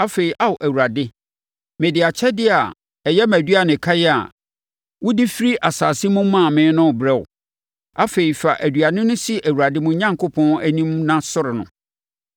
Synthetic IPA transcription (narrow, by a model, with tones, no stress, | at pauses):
a˦fe˨ɾi˨ʔa˦wʊ˨ʔæ˨wu˨ɾa˨dɪ˦ | mɛ̃˨dɪ˨a˨t͡ɕʰɛ˦dɪ˦a˨ | ɛ˨jɛ˦mæ̃˨dɥa˨nɪ̃˨kʰa˦jɛ˦a̰˨ | wʊ˦dɪ˦fi˦ɾi˦ʔa˨saː˨si˦mʊ̃˦mã˦˨mɪ̃˨˦nʊ̃˦˨bɾɛ˦ʊ̰˨ | a˦fe˨i˨fa˨ʔæ˨dɥa˨nɪ̃˦nʊ̃˦si˦ʔæ˨wu˨ɾa˨dɪ˦mʊ̃˦ɲã˦ŋkʰʊ˦pʰɔ̃˦næ˦nĩ˦mnã˦sʊ˦ɾɪ˨nʊ̰̃˨